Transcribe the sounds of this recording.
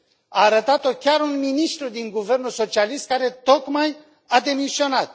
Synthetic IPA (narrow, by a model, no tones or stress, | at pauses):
aːɾət̪at̪o̞kʲaɾunminist̪ɾud̪iŋɡuve̞rnulso̞t͡ʃialist̪̚kaɾe̞t̪o̞kmaj | ad̪e̞misio̞nat̪̚